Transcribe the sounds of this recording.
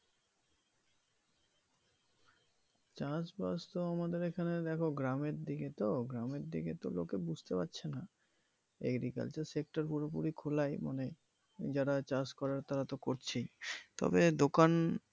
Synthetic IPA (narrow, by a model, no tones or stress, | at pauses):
t͡ɕãsbast̪oamad̪eɾekʰaned̪ɛkʰoɡɾameɾd̪iɡet̪oɡɾameɾd̪iɡet̪o̰lo̰kebud͡ʑʱt̪epatːɕʰena | ḛɡɾika̰lt͡ɕaɾsek̚ʈaɾpuɾopuɾikʰolajma̰ne | d͡ʑaɾat͡ɕãskɔɾaɾt̪aɾat̪okoɾt͡ɕʰit̪ɔ̰bed̪okan